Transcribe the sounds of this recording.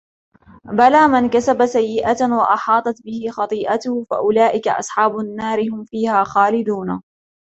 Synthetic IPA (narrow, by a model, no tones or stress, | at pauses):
balaːmankasabasajːɪʔawaʔɑħɑːt̪ˤɑt̪bɪhɪxɑt̪ˤiːʔat̪ʊhʊfa̰ʔʊlaːʔɪka̰ʔɑ̰sˤħɑːbʊnːaːɾɪhʊmfiːhaːxaːlɪd̪uːna